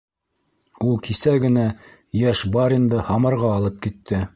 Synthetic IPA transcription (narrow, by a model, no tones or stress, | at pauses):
ulˠkʰisæɡɘ̆næ | jæʃbɑɾind̪ɤhɑmɑɾʁɑːlˠɤp̚kit̪ʰːɘ